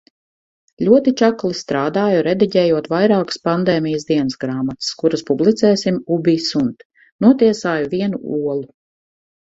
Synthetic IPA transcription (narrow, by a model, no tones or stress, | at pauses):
lʲuɔt̪it͡ʃaklˠist̪ɾaːd̪aːjuɾɛd̪iɟʲɛːjuɔt̪vajɾaːkspand̪ɛːmʲijəsd̪iɛnəsɡɾaːmat̪skuɾaspublˠit̪sɛːsimubʲisunt̪ | nuɔt̪iɛsaːjuviɛnuuɔlˠu